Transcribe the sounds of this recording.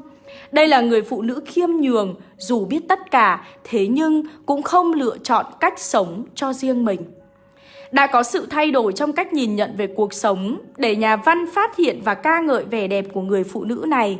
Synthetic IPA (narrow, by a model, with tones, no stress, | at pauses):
ɗə˧jlaː˨˩ŋɨ˨˩əjfṵ˧˨nɨ̰˧˥xi˧əmɲɨ˨˩əŋzu˨˩ɓi˦˥ət̚t̪ə˦˥t̚kaː˧˩t̪ʰe˨˦ɲɨ˧ŋkʊ̰˧˥ŋ͡mxə˧wŋ͡mlɨ̰˧˨ət͡ɕɔ̰˧˨nka˦˥jk̟̚sə˨˦wŋ͡mt͡ɕɔ˧zi˧əŋmï˨˩ŋ̟ | ɗa̰ː˧˥kɔ˨˦sɨ̰˧˨t̪ʰa˧jɗo˧˩jt͡ɕɔ˧wŋ͡mka˦˥jk̟̚ɲi˨˩nɲə̰˧˨nve˨˩ku˨˩ək̚sə˨˦wŋ͡mɗe˧˩ɲaː˨˩va˧nfaː˦˥t̚hḭ˧˨ənvaː˨˩kaː˧ŋə̰ː˧˨jvɛ˨˩ɗɛ˨˩p̚ku˧˩əŋɨ˨˩əjfṵ˧˨nɨ̰˧˥na˨˩j